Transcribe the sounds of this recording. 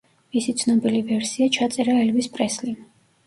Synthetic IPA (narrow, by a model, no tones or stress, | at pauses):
misit̪sʰnɔbilivɛɾsiat͡ʃʰat̪sʼɛɾaɛlvispʼɾɛsli